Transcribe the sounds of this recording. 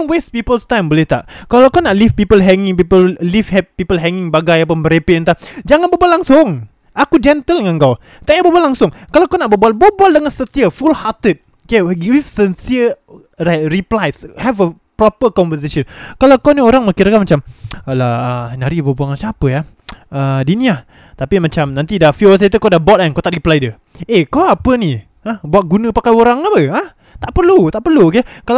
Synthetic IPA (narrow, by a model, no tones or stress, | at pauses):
nwespipəlst̪ãjmbolɪht̪aʔkalawkawnaʔlifpipəlɦɛŋɪ̃ŋpipəllivhɛt̚pipəlɦɛŋɪŋbaɡajapəmbəɾepiʔənt̪ad͡ʒaŋanbəbualaŋsʊŋ | akud͡ʒɛnt̪əlŋankaw | t̪aʔjabəbualaŋsʊŋkalawkawnaʔbəbualbuabualdəŋansət̪iəfulhat̪ət̚ | keɡivsɛnsiə | ɾat̚riplajshɛvə | pɾɔpəkɔɱvəs̬eʃənkalawkɔnioɾaŋmakiɾakamat͡ʃamlaənaɾibabuaŋasapəaədinĩah | t̪apimat͡ʃamnãnt̪idafuwas̬at̪̬ukodabɔt̚ankot̪aʔriplajdə | ekoapəni | ahbuat̪̚ɡunə̃pakajoɾaŋabəah | t̪aʔpərlut̪aʔpərlukekal